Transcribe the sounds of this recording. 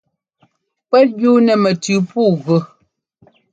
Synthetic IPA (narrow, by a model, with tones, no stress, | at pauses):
pɛ˦ju˦nɛ˨mə˨tʉ˨pu˦˨ɣʉ˨